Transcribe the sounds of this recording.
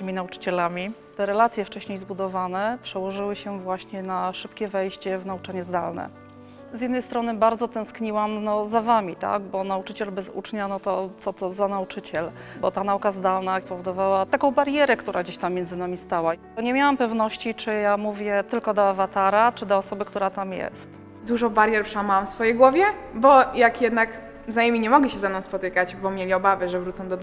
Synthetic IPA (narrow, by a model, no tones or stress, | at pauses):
ɘmʲinaut͡ʂɘ̥t͡ɕɛlamʲit̪ɛɾɛlat̪sʲjɛft͡ʂɛɕɲejzbud̪ɔvanɛpʂɛwɔʐɘwɘɕɛvwaɕɲɛnaʂɘp̚kʲɛvɛjɕt͡ɕɛvnaut͡ʂaɲɛzd̪alnɛ̰ | zʲjɛd̪nɛjst̪ɾɔnɘbaɾd̪zɔt̪ɛ̃w̃skɲiwamnɔzavamʲit̪a̰ɡbɔnaut͡ʂɘt͡ɕɛlbɛzṵt͡ʂɲanɔt̪ɔt̪sɔt̪ɔzanaut͡ʂɘt͡ɕɛl | bɔt̪anaukazd̪alnapɔvɔd̪ɔvawat̪akɔ̃w̃baɾjɛɾɛkt̪uɾʔaɡd͡ʑeɕt̪amːʲjɛnzɘnamʲist̪awa | ɔɲɛmʲjawampɛvnɔɕt͡ɕit͡ʂɘjamuvʲjɛt̪ɘlkɔd̪ɔavat̪aɾat͡ʂɘd̪ɔɔsɔbɘkt̪uɾat̪amjɛ̰st̪ | d̪uʐɔbaɾjɛɾpʂɛwamawamfsfɔjejɡwɔvʲjɛbɔjakjɛd̪nak | vzajɛmʲiɲɛmɔɡɛɕɛzanɔ̃w̃spɔt̪ɘkat͡ɕbɔmʲjelʲiɔbavɛʐɛvɾut̪sɔ̃w̃d̪ɔd̪